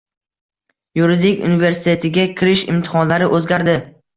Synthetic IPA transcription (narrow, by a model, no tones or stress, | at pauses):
juɾɪd̪ɪkʲṵnɪveɾsɪt̪ʰe̞t̪ʰɪɡʲakʲʰɪɾɪʃɪ̰mt̪ʰɪ̥χɒnlaɾɪʔɵzɡʲaɾd̪ɪ